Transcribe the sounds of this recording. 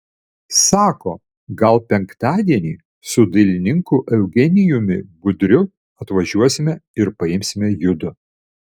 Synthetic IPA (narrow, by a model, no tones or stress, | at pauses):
sɑːkoː | ɡɐlˠpʲɛŋkt̪ɑːd̪ʲiɛnʲiː | sʊd̪ɐlʲɪnʲɪŋkuːʔɛʊɡʲɛnʲɪjʊmʲɪbʊd̪ʲɾʲʊ | ɐt̪ʋɐʒʲuɔsʲɪmʲɛɪɾpɐɪmʲsʲɪmʲɛjʊd̪ʊ